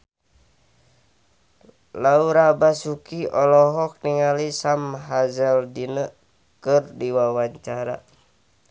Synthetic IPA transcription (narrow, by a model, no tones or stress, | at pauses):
lauɾabasukiɔlɔɦɔk̚niŋalisamɦazɛldinə | kɨrdiwawaɲt͡ʃaɾa̰